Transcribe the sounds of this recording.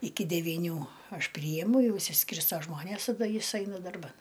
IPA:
ˈɪkʲɪ dʲɛʋʲiːˈnʲuː ˈɐʃ ˈpʲrʲiːjɛmʊ ˈjɛʊ ɪʃʲsʲɪˈsʲkʲɪrstoː ˈʒmoːnʲeːs tɐˈdɐ ˈjɪs ˈɐɪnɐ dɐrˈbɐn

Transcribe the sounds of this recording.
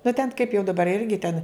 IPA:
nʊ tʲɛn kɐɪp jɛʊ dɐˈbɐr ˈɪrʲɡʲɪ tʲɛn

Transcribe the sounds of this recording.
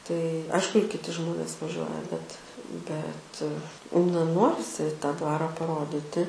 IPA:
tɐɪ ˈɐɪʃkʊ ɪr kʲɪˈtʲɪ ˈʒmoːnʲeːs ʋɐˈʒʲuɔjɛ bʲɛt bʲɛt nɐ ˈnoːrʲɪsʲɪ tɑː ˈdʋɑːrɐ pɐˈroːdʲiːtʲɪ

